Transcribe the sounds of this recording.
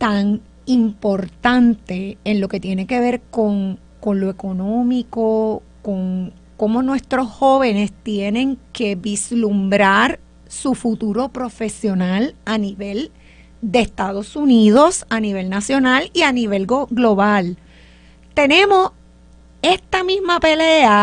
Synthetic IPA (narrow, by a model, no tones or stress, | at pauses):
t̪aŋ | impo̞ɾt̪ãnt̪e̞ːnlo̞ke̞t̪je̞ne̞ke̞βe̞ɾko̞ŋ | ko̞nloe̞ko̞nõ̞miko̞ | ko̞ŋ | ko̞mo̞nwe̞st̪ɾo̞sho̞βe̞ne̞st̪je̞nẽ̞ŋke̞βislumbɾaɾ | sufut̪uɾo̞pɾo̞fe̞sjo̞nalaniβe̞l | d̪eːst̪aðo̞suniðo̞saniβe̞lnasjo̞nalianiβe̞lɡoɡlo̞βal | t̪e̞nẽ̞mo̞s | e̞st̪amĩzmape̞lea